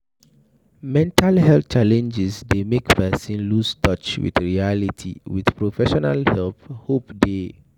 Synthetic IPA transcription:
mɛ̃ntʰalhɛlθt͡ʃalɛ̃nd͡ʒɪsdemekpʰɛsĩnlustɔt͡ʃwḭθɹialitʰḭwiθpɹofɛʃɔnalhɛlphopde

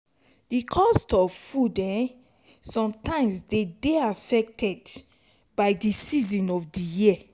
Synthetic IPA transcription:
d̥ikʰɔstɔvfudɛ̃n | sɔ̃mtãɪ̃msdedeafɛk̚tʰɛd | b̥aɪdisizĩnɔvdiji

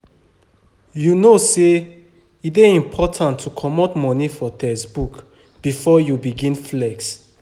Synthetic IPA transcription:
junose | ideĩmpʰɔtʰãntʰːukʰɔmɔtmɔ̃nifɔtɛsbuk | b̥ifɔjubiɡĩnflɛks

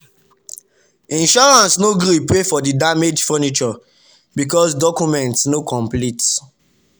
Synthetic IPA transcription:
ĩnʃɔɹãnsnoɡɾipɹefɔdidamed͡ʒfɛnit͡ʃɔ | bikɔsdɔkumɛ̃ntsnokʰɔ̃mplit

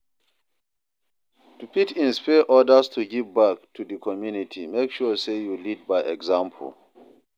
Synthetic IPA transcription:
tupitĩnspɛʔɔdəstʰuɡivbak̚tʰudəkʰɔmjunitʰimekʃɔsejulid̚baɪʔɛɡzãmpʰl̩

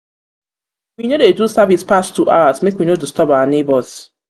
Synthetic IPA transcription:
winodedusavispastʰuʔaasmekwinotustɔbaanebɔz̥

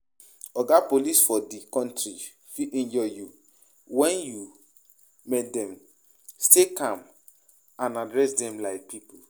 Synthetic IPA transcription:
ɔɡapolisfɔdikɔ̃ntɾi | fiĩnd͡ʒɔju | wɛ̃nju | mɛtdɛ̃m | stekãm | ãnadɹɛsdɛ̃mlaɪk̚pipol

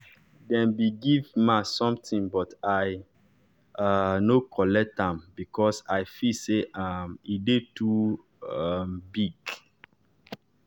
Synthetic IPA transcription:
dɛ̃nbiɡivmasɔ̃mtĩŋbɔtaj | anokʰɔlɛk̚tãmbikʰɔsaɪfiseʔamidetu | ambiɡ

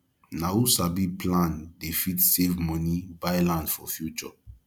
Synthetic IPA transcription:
nausabiplãndefitsevmɔnibajlãnsfɔfjut͡ʃɔ

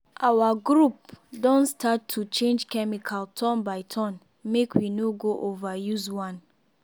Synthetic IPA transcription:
ʔawaɡɾup̚dɔ̃nstatʰːut͡ʃẽnd͡ʒkɛmikʰaltʰɔ̃nbaɪtʰɔ̃n | mekwinoɡoʔovajuzwãn

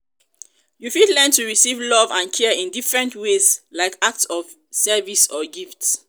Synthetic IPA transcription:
jufidlɛ̃ntuɹisivlɔvãnkʰɛĩndifɹɛ̃ntwezlaɪkak̚tsɔv | sɛvisɔɡifts

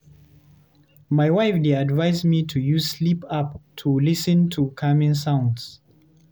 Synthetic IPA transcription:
maɪwaɪfdeadvaɪzmitʰujuslipap̚tʰulisə̃ntʰukʰamĩnsãʊ̃nds

